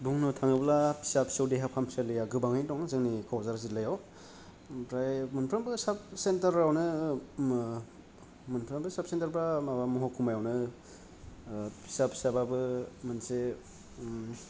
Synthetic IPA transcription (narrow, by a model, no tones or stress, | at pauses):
buŋnutʰaŋɯblapʰi̥sapʰsowdeɦapʰami̥salɯjaɡɯbaŋajntɔŋzɯŋnikʰawzaɾzilajaw | pɾajmunpʰɾambɯsap̚sentɐɾawnɯ | munpʰɾambɯsap̚sentaɾbɾamabamɔɦɔkʰumajawnɯ | pʰi̥sapʰi̥sababɯmanse